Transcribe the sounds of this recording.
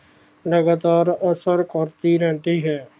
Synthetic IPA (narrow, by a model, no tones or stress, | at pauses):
ləɡaːt̪aːɾəsəɾkəɾt̪iːɾɛ̃ːnt̪iːɦɛː